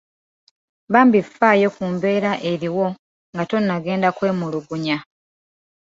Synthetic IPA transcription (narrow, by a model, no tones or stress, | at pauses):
βaːmbifaːjo̞kuːmbe̞ːɾaʔe̞ɾiwo̞ | ŋɡato̞nːaɡe̞ːndakwe̞ːmuluɡuɲa